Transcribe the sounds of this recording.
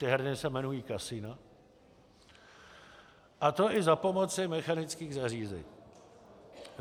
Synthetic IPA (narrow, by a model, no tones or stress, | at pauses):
t̪ɪɦɛɾnɪsɛmɛnujiːkasina | ʔat̪o̞ʔɪzapo̞mo̞t͡sɪmɛxanɪt͡skiːɣzariːzɛ̰ɲi